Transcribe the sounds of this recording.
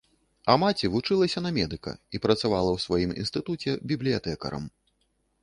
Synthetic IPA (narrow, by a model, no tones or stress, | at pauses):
ɐmat͡sʲivut͡ʂɨlˠɐsʲɐnɐmʲɛd̪ɨkɐ̰ipɾɐt̪savalˠɐwsvajimḭnst̪ɨt̪ut͡sʲɛbʲiblʲijat̪ɛkɐ̰ɾɐ̰m